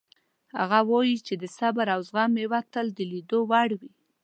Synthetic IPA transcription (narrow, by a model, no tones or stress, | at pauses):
ha̰ɣawɑjit͡ʃed̪əsabaɾawzɣamewat̪əld̪əlid̪owaɽwi